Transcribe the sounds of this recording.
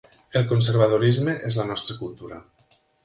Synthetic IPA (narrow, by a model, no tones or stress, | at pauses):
elˠkonseɾβ̞að̞oɾizmeʔezlanɔst̪ɾəkulˠt̪uɾa